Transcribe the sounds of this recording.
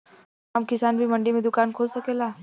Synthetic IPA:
ɦɐmkɪsaːnbʱimɐ̃ɳɖimẽd̪ʊkaːnkʰoːlsɐkeːlaː

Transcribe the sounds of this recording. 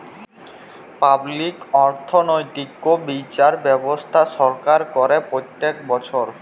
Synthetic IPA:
pablikɔɾt̪ʰonojt̪ikːobit͡ɕaɾbɛbost̪ʰaʃɔɾkaɾkɔɾepɾot̪ːekbɔt͡ɕʰoɾ

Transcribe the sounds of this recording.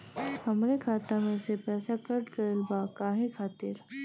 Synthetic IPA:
hɐmɾekʰaːt̪amẽsepɛːsakɐɾɖkɐɾɪlbakaːɦẽkʰaːt̪ɪɾ

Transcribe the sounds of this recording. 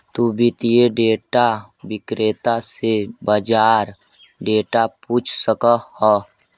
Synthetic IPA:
t̪ubʱɪt̪ijeɖeːʈa | wɪkɾeːt̪asebəd͡ʒaːɾ | ɖeːʈapuːt͡ʃʰsəkəhɔ

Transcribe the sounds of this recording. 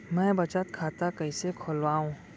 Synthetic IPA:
mɛ̃ːbɐt͡ʃət̪kʰaːt̪akəɪsekʰolwaːũː

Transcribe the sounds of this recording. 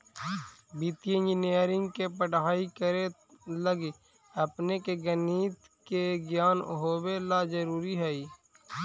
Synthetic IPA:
biːt̪iend͡ʒɪnijəɾɪ̃ŋɡkepəʈaːikəɾe | ləɡ | əpnekeɡəniːt̪ | keɡjaːnɦoːbelazəɾuːɾiɦɛiː

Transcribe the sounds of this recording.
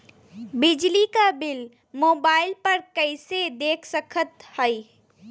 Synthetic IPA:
bɪd͡ʒlikabɪl | moːbaːɪlpɐɾkəɪsed̪eːkʰsəkʰət̪həi

